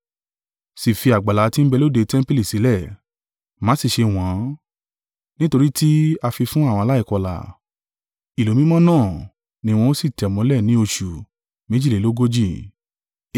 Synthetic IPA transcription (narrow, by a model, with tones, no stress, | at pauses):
si˨fi˧a˨ɡ͡ba˨la˨˦ti˦m̩˦bɛ˧lo˦de˧tɛ̃˦m˦pi˦li˦˨si˨˦lɛ˦˨ | mã˨˦si˦˨ʃe˧w̃ɔ̃˨˦ | nĩ˦to˧ɾi˦ti˦a˧fi˧fũ˦a˦˨wɔ̃˧a˧la˦i˦˧˨kɔ˧la̰˨ | i˨lo˨mĩ˦mɔ̃˦nãː˦˨ | nĩ˨˦w̃ɔ̃˧o˦si˦˨tɛ˨mɔ̃˧˦lɛ˦˨nĩ˨˦o˧ʃu˨ | mẽ˨˦d͡ʒi˦˨e˨˦lo˦ɡo˦d͡ʒi˦˨